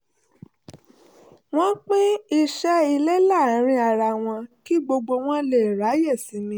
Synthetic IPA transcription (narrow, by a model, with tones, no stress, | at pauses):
w̃ɔ̃˦k͡pĩ˦i˧ʃɛ˦i˧le˦la˦˨˦ɾ̃ĩ˧˦a˨ɾa˨w̃ɔ̃˧ki˦ɡ͡bo˧ɡ͡bo˧w̃ɔ̃˦le˦˨ɾa˨˦jɛ˦˨sĩ˨˦mĩ˧˦